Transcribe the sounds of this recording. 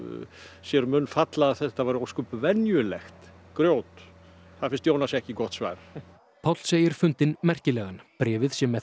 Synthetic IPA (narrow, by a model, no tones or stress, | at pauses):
sjɛɾmʏnfat̪laaθɛht̪avaːɾowskʏpvɛnjʏlɛxt̪ | kɾjoːwt̪ | θaðfɪnst̪joːwnasɛhcɪikɔht̪sva̰jɾ | pʰawt̪lseːjɪɾ̥fʏnt̪ɪnmɛr̥cɪlɛːɣanpɾɛːvɪðsjɛmːɛ